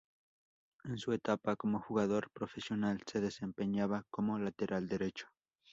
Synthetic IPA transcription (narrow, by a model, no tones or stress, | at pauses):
ensuet̪apakomoxuɣaðoɾpɾofesjo̞nalse̞ðesempeɲaβakomolat̪eɾʔald̪eɾet͡ʃo̥